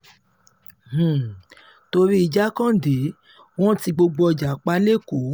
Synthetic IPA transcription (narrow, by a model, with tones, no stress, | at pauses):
h̩˨ | to˧ɾi˦i˨d͡ʒa˦kã˦˨de˨˦ | w̃ɔ̃˦ti˧ɡ͡bo˧ɡ͡bɔ˧˨d͡ʒa˨k͡pa˦le˦˨ko˨˦